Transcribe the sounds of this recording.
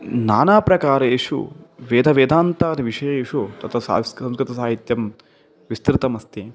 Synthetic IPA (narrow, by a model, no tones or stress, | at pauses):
naːnaːpɾɐkaːɾɐjeːʂṵʋeːd̪ʱɐʋeːd̪ʱaːnt̪aːt̪iʋiʂɐjɐeːʂut̪ɐt̪ʰɐsa̰ːsɐmskɾɪt̪ɐsaːɦit̪jɐm | ʋist̪ɾɪt̪ɐmɐst̪i